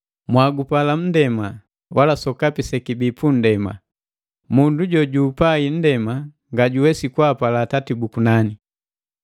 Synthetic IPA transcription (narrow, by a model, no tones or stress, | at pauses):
mwaɡupalam̩dɛma | walasɔkapisɛkibipun̩dɛma̰ | munduɟɔɟuːpain̩dɛma | ŋɡaɟuwɛsikwapalaːtatibukunani